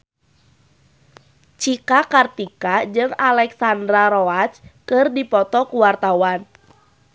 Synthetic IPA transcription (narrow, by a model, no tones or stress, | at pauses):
t͡ʃikakart̪ikad͡ʒɨŋalɛksandɾaɾɔat͡ʃkɨrdipɔt̪ɔkuwart̪awan